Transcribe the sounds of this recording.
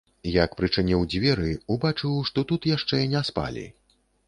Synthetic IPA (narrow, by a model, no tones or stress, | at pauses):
jakpɾɨt͡ʂɨnʲiwd͡zʲvʲɛɾɨubat͡ʂɨwʂt̪ɔt̪ut̪jaʂt͡ʂɛinʲaspa̰lʲḭ